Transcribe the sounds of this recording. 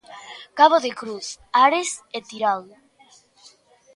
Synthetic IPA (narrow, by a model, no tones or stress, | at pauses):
kaβoðekɾuθaɾeset̪iɾaw